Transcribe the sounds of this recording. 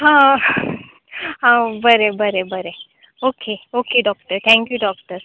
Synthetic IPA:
ɦã | ɦãbʱəɾebʱəɾebəɾe | oːkʰeokeɖɔːkʈəɾt̪ʰɛ̃ŋkjuɖɔːk̚ʈəɾ

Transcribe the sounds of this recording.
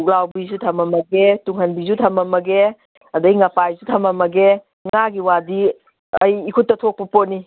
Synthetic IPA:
uk̚lawbizutʰɐmɐmɐɡetuŋhɐnbizutʰɐmɐmɐɡe | ɐdɐjŋɐpajzutʰɐmɐmɐɡe | ŋaɡiwadi | ɐjːkʰutːɐtʰok̚pɐponi

